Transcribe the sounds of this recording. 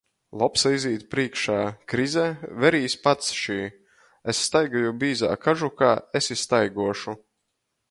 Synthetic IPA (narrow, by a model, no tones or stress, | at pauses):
lˠɔpsaiziːt̪pɾiɛkʃaːkɾizɛvɛɾiːspat̪sʃiː | esːt̪ajɡajubʲiːza̰ːkaʒukaːesist̪ajɡuɔʃu